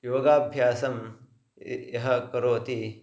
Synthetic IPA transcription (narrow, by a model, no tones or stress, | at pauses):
joːɡaːbʱjaːsɐm | jɐɦɐkɐɾoːt̪i